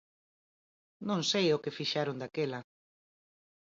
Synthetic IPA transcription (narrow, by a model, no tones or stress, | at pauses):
nõŋsejʊkɪfiʃaɾond̪akelɐ